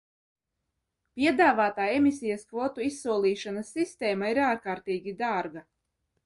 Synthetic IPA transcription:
pʲiɛd̪aːvaːt̪aːemʲisʲijɐskvɔt̪uisːuɔlˠiːʃanasːist̪ɛːmaiɾaːɾkaːɾt̪iːɡʲid̪aːɾɡa

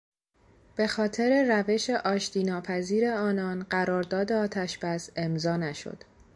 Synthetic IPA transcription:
b̥e̞xɒːt̪ʰe̞ɾe̞ræve̞ʃe̞ʔɒːʃt̪iːnɒːpʰæziːɾe̞ɒːnɒːnɢæɾɒːɾd̪ɒːd̪e̞ɒːt̪ʰæʃb̥æse̞mzɒːnæʃo̰d̪̥

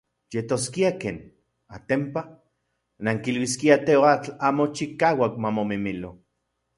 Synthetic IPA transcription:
jet̪oskiakḛːn | a̰t̪empa | naŋkilwiskiat̪eoat͡ɬaːmot͡ʃikaːwakmamomimilo

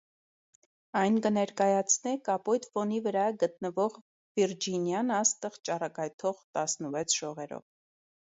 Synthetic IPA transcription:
ɑjnkənɛɾkɑjɑt͡sʰnɛkɑpɔjt̪fɔnivəɾɑɡət̪nəvɔʁ | viɾd͡ʒinjɑnɑst̪əʁt͡ʃɑrɑkɑjt̪ʰɔʁt̪ɑsnəvɛt͡sʰʒ̥ɔʁɛɾɔ̰v

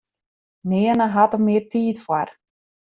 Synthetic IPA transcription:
nɪənəɦatəmɪərtʰiːtfwar

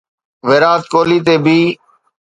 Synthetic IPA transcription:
ʋeːɾaːt̪koːliːt̪eːbʱiː

